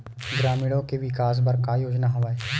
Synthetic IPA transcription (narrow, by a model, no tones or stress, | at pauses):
ɡɾaːmɪɽõkeʋɪkaːs̬bɐɾkajoːd͡ʒnaɦoʋaːeː